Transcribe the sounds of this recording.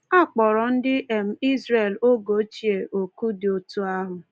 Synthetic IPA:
a˦˨k͡pɔ˨ɾɔ˨n̩˦dɪ˦ʔe˨m̩˨i˦zɾe˨lo˦ɡo˨˦t͡ʃi˨e˨ʔo˨ku˦dɪ˨o˨tu˦a˦ɦʊ˨

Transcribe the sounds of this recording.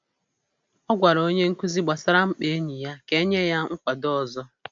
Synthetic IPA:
ɔ˦ɡʷa˨ɾo˦ɲe˦ŋ̩˦ku˦zi˦ɡ͡ba˨sa˦ɾa˦m̩˦k͡pe˨e˦ɲi˨ja˦ke˦ɲe˦ja˦ŋ̩˦kʷa˨dɔ˦ɔ˨zɔ˦

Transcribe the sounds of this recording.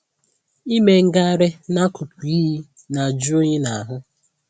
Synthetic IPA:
i˦me˨ŋ̩˦ɡa˦ɾe˦na˦ku˨pi˦ɦi˦ | na˨d͡ʒu˦o˦ɲe˦na˨a˨ɦʊ˦

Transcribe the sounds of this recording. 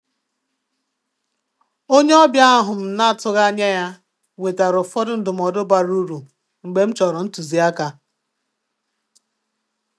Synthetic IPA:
o˦ɲe˦ɔ˦bja˦a˦ɦʊ˨m̩˦na˦a˦tʊ˦ɣa˦ɲa˦ja˦ | we˨ta˨ɾʊ˨fɔ˦dʊ˦n̩˦dʊ˨m̩˨ɔ˨dʊ˦ba˨ɾu˦ɾu˨ | ŋ͡m̩˨ɡ͡be˦m̩˦t͡ʃɔ˨ɾʊ˨n̩˦tu˨zi˨a˦ka˨

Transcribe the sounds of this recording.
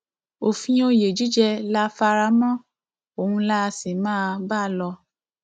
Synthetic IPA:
o˨fĩ˧˦o˧je˨d͡ʒi˦d͡ʒɛ˧la˦fa˧ɾa˧˦mɔ̃˦ | o˨hũ˧la˦˧si˨mãː˦˧ba˦˨lɔ˧

